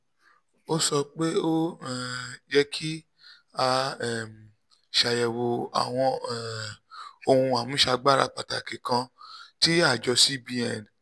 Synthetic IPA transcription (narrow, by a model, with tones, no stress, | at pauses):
o˦sɔ˧k͡pe˦o˦˨ | d͡ʒɛ˦kʰi˦ | a˧ɛ˨m˨ | ʃa˧jɛ˨wo˧a̰˨w̃ɔ̃˧˨ | o˧hũ˧a˨mũ˨˦ʃa˧ɡ͡ba˦ɾa˧k͡pa˨ta˨ke˨kã˧ti˦a˦˨d͡ʒɔ˧si˦bi˧˦ɛ˨n˨